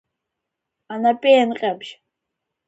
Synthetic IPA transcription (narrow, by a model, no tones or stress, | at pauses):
anapʼenqʲʼabʃ